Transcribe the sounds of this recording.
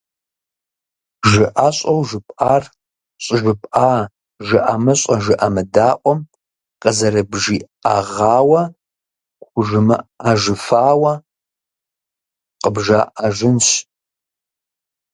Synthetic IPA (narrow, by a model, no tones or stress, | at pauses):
ʒɨʔaɕʼɐwʒɨpʼaːr | ɕʼɪʒʷɪpʼʔaː | ʒɨʔamɨɕʼɐʒɨʔɐmɨdaːqʷʼɔm | qəzɐɾɨbʒiː | aʁaːwɐ | kʷʊʒɨmɨ̰aʒɨfaːwɐ | qəbʒaːʔaʒɪnɕ